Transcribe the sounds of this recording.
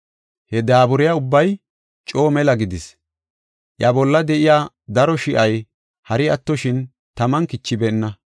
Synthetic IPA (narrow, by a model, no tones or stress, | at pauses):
hɛd̪aːbʊɾɪjaʊbːɐj | t͡ʃʼo̞ːmɛlɐɡɪd̪ɪs | ʔjɐbɔlːɐd̪ɛʔɪjaː | d̪ɐɾɔʃɪʔɐj | hɐɾɪɐt̪ːɔʃɪn | t̪ɐmɐnkɪt͡ʃːɪbɛnːɐ